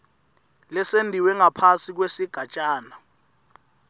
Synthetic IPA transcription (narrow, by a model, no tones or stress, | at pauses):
lɛsendʱiwɛŋapʰasik̬wesiɡ̥ʱat͡ʃʼaːna